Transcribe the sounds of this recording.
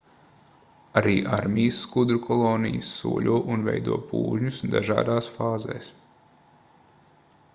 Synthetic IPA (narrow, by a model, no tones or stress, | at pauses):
aɾiːʔaɾmijəsːkud̪ɾukʰɔlˠoːnḭjəsːṵɔlʲuɔːʔunvɛ̰jd̪ṵɔpṵːʒɲusd̪a̰ʒa̰ːd̪aːsfaːzḛːs